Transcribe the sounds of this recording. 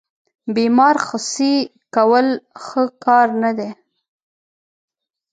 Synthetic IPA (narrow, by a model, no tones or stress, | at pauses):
bemɑɾxʊsi | kawəlxəkɑɾnad̪e